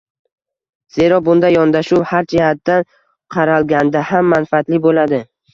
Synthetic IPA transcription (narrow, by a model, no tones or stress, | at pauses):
z̥e̞ɾɒbʊnd̪ajɒnd̪aʃuwhaɾd͡ʒɪhat̪ːan | qʰɑɾalɡʲand̪ahamːanfaat̪lɪbolad̪ɪ